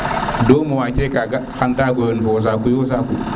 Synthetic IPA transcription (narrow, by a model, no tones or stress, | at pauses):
dɔːmɔwat͡ʃɛkaɡahandaɡɔjɔnfɔs̬akujosaku